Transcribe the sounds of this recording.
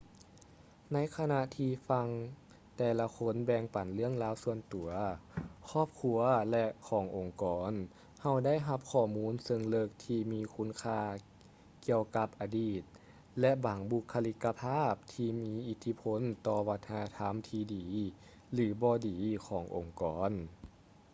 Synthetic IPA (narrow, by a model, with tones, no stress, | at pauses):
na˧˥jkʰa˧na˧ʔt̪ʰiː˧fa˧ŋ | t̪ɛː˧la˧kʰo˧˥˨nbɛː˧ŋpa˨˩nlɯ˥˩˨əŋlaː˧˥wsu˧ənt̪u˨˩˦ɐkʰɔː˧˥˩p̚kʰu˧ɐlɛ˧ʔkʰɔː˩˦ŋʔo˨˩ŋkɔː˩n | ha˧˩wda˥˨jɦa˧p̚kʰɔː˧˩muː˧˥˨nsɤ˧ŋlɤ˧˩k̚t̪ʰiː˧miː˧kʰu˧˥˨nkʰaː˧ | ki˧əwka˧˦p̚ʔaː˧diː˧˩t̪̚ | lɛ˧˥ʔbaː˨˩˦ŋbu˧kʰːa˧li˧kːa˧pʰaː˥˨p̚t̪ʰiː˧miː˧˥ʔi˧˦t̪ʰi˧pʰo˧˥˨nt̪ɔː˧wa˧t̪ʰːa˧na˧t̪ʰa˧˥mt̪ʰiː˧diː˨˩˦ | lɯː˨˩˦bɔː˧diː˨˦kʰɔː˩˦ŋʔo˨˩ŋkɔː˨˩˦n